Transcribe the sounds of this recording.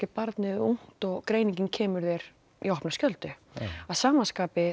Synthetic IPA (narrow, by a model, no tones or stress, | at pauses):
ɪpaɾt̪nɪðuŋ̥t̪ɔɣkɾeːjniɲcɪncʰɛːmʏɾðɛjɾ̥ | iɔhpnaskcœlt̪ʏaðsaːmanskaːpɪ